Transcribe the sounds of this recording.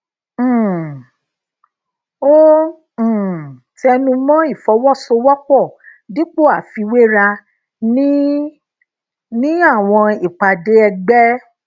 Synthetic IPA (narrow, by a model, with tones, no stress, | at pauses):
õ˦˨ | tɛ˧nũ˧mɔ̃˦i˦˨fɔ˨˧˦wɔ˦˨so˧wɔ˦k͡pɔ˦˨di˦k͡po˦˨a˨fi˧we˦ɾa˧ | nĩ˦ | nĩ˦a˦˨w̃ɔ̃˧i˨k͡pa˨de˨˦ɛ˧ɡ͡bɛ˦